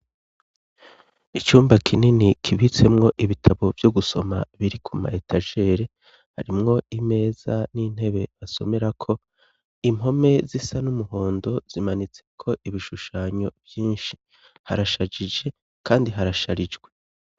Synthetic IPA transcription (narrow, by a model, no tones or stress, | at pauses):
it͡ʃuːmbakʰininikʰiβit͡se̞mŋo̞ʔiβitʰaβo̞vjo̞ɡuso̞ma̰βiɾikʰuma̰etʰaʒe̞ːɾe̞ | ha̰ɾimŋo̞ime̞ːz̥anin̥he̞βe̞βaso̞̰me̞ɾakʰo̞ | imɦo̞me̞zisanumuɦo̞ːndo̞z̥imanit͡se̞kʰo̞ʔiβiʃuʃaːɲo̞bjiːnʃi̥ | haɾaʃad͡ʒid͡ʒe̞ | kʰaːndiɦaɾaʃaɾid͡ʒɡwe̞